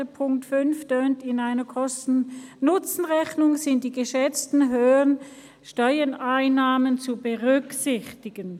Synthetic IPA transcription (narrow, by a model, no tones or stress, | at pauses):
əpʰʊŋktfʏnftøːntɪnaɪnɐkʰɔstn̩nʊt͡sn̩ʁɛçnʊŋzɪnt̚d̥iːɡəʃɛt͡stn̩ɦøːn | ʃtɔʏənaɪnːaːmənt͡subəʁʏksɪçtɪɡən